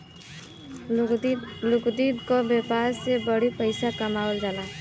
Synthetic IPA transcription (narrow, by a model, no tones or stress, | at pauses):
lʊkd̪iːd̪kobeːpaːsːebəɽipəɪsakɐmaːwld͡ʒalaː